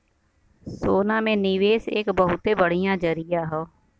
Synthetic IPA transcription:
soːnaːmẽːniːʋeːsɪ̰kbəɦʊt̪eːbəɽijãːd͡ʒəɾijaːɦoː

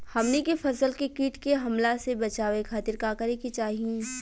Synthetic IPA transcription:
hɐmnekefɐsəlkekiːʈkeɦɐmlasebɐt͡ʃaːʋekʰaːt̪ɪɾkaːkɐɾekit͡ʃaːɦiẽː

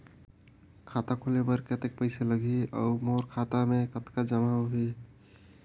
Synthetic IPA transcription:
kʰaːt̪akʰolepəɾkət̪ek̚pəɪseləɡʱiɔ̰ːmoːɾkʰaːt̪amẽkət̪kad͡ʒəmaɦɦi

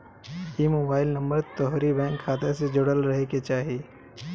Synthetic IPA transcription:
imoːbaːɪlnɐ̃mbəɾt̪ɔɦɾibɛ̃ːŋkʰːaːt̪esed͡ʒʊɽəlɾɐɦeket͡ʃaːɦieː

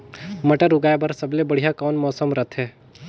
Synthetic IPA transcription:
mɐʈəɾʊɡaːjbəɾsəblebəɽ̤ijakɔːnmɔːsəmɾət̪ʰɦɛː

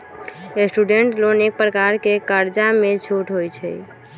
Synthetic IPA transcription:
esʈuɖeɳʈlonek̚pɾəkaɾkekəɾd͡ʒamet͡ʃʰoʈɦojt͡ʃʰɛ̰

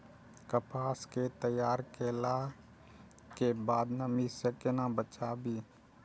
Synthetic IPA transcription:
kəpʰaːsket̪əjaːɾkeːla | kebaːd̪nəmisəkenabət͡ʃaːbiː

